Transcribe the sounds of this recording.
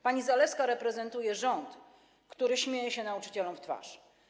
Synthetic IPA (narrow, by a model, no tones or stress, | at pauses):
paɲizalɛfskaɾɛpɾɛzɛnt̪ujɛʐɔnt̪ | kt̪uɾɘɕmʲjejɛɕɛnaut͡ʂɘ̥t͡ɕɛlɔmft̪fa̰ʂ